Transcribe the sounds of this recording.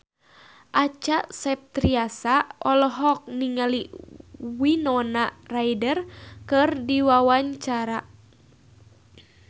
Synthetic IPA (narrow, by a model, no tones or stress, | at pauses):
ʔat͡ʃaʔsɛp̚t̪ɾiasaʔɔlɔɦɔk̚niŋali | winɔnarajdərkɨrdiwawaɲt͡ʃaɾa